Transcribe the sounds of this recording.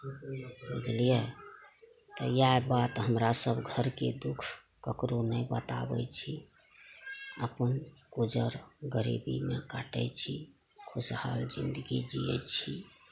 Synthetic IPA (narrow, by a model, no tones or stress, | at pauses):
bud͡ʒlijə | t̪əjaebat̪ɦəmɾasəbɡʱəɾked̪ukʰ | kəkɾonəjbə̰t̪a̰bət͡ʃʰi | əpənkud͡ʒəɾɡəɾḭbḭmekaʈəjt͡ʃʰi | kʰusha̰ld͡ʒind̪əɡid͡ʒijɛ̰t͡ʃʰi